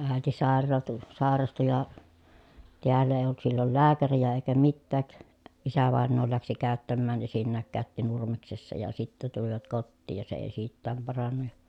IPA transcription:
æˑeti sɑˑerːɑːtu sɑˑerɑstu jɑ tiælːæ eˑi̯j olt silːol læːkærijæ eˑikæ mitːæːk isæʋɑˑenːoː læksi kæˑøtːæmːæːn esinːæːŋ kæˑøtːi nurmeksesːɑ jɑ sitːæ tuliʋɑt kotːiːj jɑ se eˑi siːtːæːm pɑrɑnːɑ jɑ

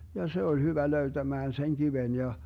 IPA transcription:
jɑ se olʲ hyʋæ løytæmæːn seŋ kiʋen jɑ

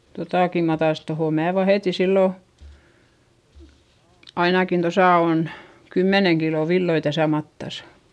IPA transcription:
totɑˑki mæː tɑis tohoˑ mæː ʋɑheˑti silːo ɑinɑkin tosɑˑ on kymːeneŋ kilo ʋilːoi tæsæ mɑtːɑsɑ̥

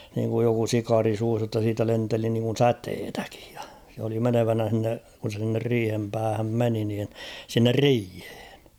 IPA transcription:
niːŋkuj joku sikɑːri suːs jotːɑ siːtæ lenteli niŋkun̞ sæteːtæki̥j̊ j̊ɑ̥ se oli meneʋænæ h̞inːe kun̞ se s̞inːer riːhem pæːhæm meni niːn sinːer riːhe̥ːn̥

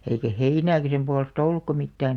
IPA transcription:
eikæ heinæːkæ sem puɑlestɑ̆ olːukːɑ mitːæːn

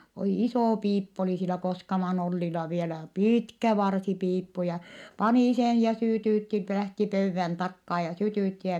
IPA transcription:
oliˑ isoˑ piːpːu oliˑ silæ koskɑmɑn olːilɑ ʋielæ piːtkæ ʋɑrsipiːpːu jɑ pɑniˑ sen jɑ syˑtyˑtːi læhti pøyʋːæn tɑkːɑː jɑ sytyˑtːi jɑ

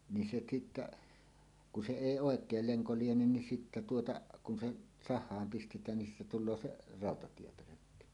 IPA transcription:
ni se sitːæ ku se eˑi oˑekˑel leŋko lienen nin sitːæ tuotɑ kun se sɑhˑɑːm pistetˑæːn nin siːtæ tulˑoː se rɑˑotɑtiepøløkːy

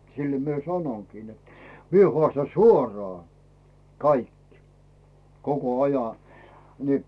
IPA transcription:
silːæ̆ mie sɑnoŋkiː net mie hŏɑˑstɑn̞ suoro̥ɑˑ kɑik koko ɑjɑ ni

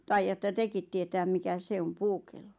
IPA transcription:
tɑijɑtːɑ tekit tietæːm mikæ se om puːkelːo

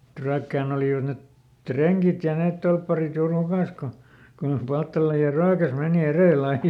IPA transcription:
ĕt ryækːæːn oliˑʋɑt net treŋkit jɑ neːt tolpːɑrit juːr hukɑˑs ko ko joh pɑltːɑlɑ jɑ ryækæs meˑni ereˑlː ɑi

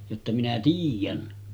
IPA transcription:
jotːɑ minæ tiːjˑæn

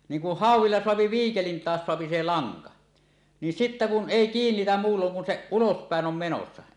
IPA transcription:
niːŋ ku hɑˑuwˑilːɑ soɑpi ʋiːkelin tɑːs soɑpi se lɑŋkɑ nin sitːæ kun ʔeˑi kiːnːitæm muːlːoŋ kun se ulospæˑen om menosːɑ

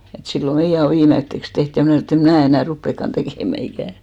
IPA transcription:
et silːo meijæ o ʋiːmetːeks teht jɑ mnæˑ snoˑ et em mnæˑ enæˑ rupːekːɑn tekeˑmæ ikæˑ

